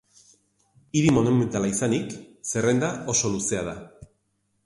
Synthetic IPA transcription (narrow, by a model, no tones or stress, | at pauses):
iɾimo̞nume̞nt̪alaisanikse̞re̞nd̪ao̞so̞luse̞að̞a